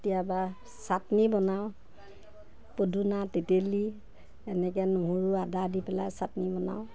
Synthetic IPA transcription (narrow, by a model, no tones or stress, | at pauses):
tijaba | satnibɔnaʊ | podʱunateteli | ɛnɛk̬ɛnoɦuɹuadadipɛlajsatnibɔna̰w